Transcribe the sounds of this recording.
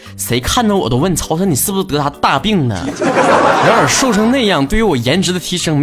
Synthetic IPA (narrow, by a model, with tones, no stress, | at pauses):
ʂe˧˥ɪkʰa˥˩nd̪ɑ˩wɔ˨˩d̪ə˦˥wə˥˩nt͡sʰɑ˧˥ʊʂni˨˩sɹ̩ʰ˥˩u˧˩o˥t̪ɤ˧˥t̪ʰa˥ə˧t̪a˥˧pi˥˩ŋnə̰˨˩ | ɻa˧˥nə˞˨˩ʂo˥˩ʊʂɤ˥ŋna˥˧jɑ˥˧ŋt̪we˥˩ɪy˧˥wɔ˨˩jɛ˧˥nʈ͡ʂɻ̩˧˥d̪ə˧t̪ʰi˧˥ʂɤ˥ŋm